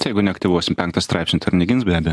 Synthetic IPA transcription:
jɛɪɡʊnʲɛɐkt̪ʲiʋuɔsʲɪmpʲɛŋkt̪ɐst̪ɾɑɪpʲsʲnʲɪt̪ɐɾʲnʲɪɡʲɪnsbʲæːbʲɛj

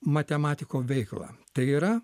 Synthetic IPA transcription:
mɐt̪ʲɛmɑːt̪ʲɪkoːʋʲɛɪklˠɑ̰ːt̪ɐɪiːɾɐ

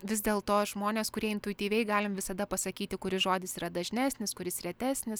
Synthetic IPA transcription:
ʋʲɪzʲd̪ʲeːlˠt̪oːʒmoːnʲeːskʊɾʲiɛɪnt̪ʊɪt̪ʲiːʋʲɛɪɡɑːlʲɪmʋʲɪsɐd̪ɐpɐsɐkʲiːt̪ʲɪkʊɾʲɪsʒoːd̪ʲɪsiːɾɐd̪ɐʒʲnʲæːsʲnʲɪskʊɾʲɪsɾʲɛt̪ʲæːsʲnʲɪs

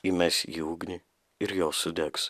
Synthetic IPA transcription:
imʲɛsʲjuːɡnʲi | ɪɾjoːsʊd̪ʲɛks

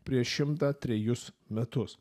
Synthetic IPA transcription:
pʲɾʲiɛʃʃʲɪmt̪aːt̪ʲɾʲɛjʊsmʲɛt̪ʊs

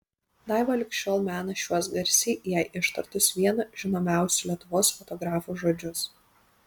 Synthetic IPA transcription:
d̪ɑˑɪʋɐlʲɪkʃʲt͡ʃʲoːlˠmʲæːnɐʃʲuɔsɡɐɾʲsʲiːjæɪʔɪʃt̪ɐɾt̪ʊsʋʲiɛnɐʒ̥ʲɪnoːmʲæˑʊsʲʊlʲiɛt̪ʊʋoːsfɔt̪ɔɡɾɑːfuːʒoːd͡ʒʲʊs

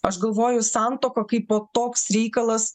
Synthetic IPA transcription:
ɐʃɡɐlˠʋoːjʊsɑnt̪oːkɐkɐɪpːoːt̪oːksɾʲɛɪkɐlˠɐs

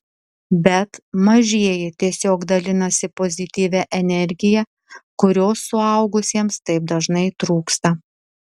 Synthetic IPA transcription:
bʲɛt̪mɐʒʲiɛjɪt̪ʲiɛsʲoːɡd̪ɐlʲɪnɐsʲɪpɔzʲɪt̪ʲiːʋʲɛʔɛnʲɛɾʲɡʲɪjɛ | kʊɾʲoːsːʊɐʊɡʊsʲiɛmst̪ɐɪp̚d̪ɐʒnɐɪt̪ɾuːkst̪ɐ

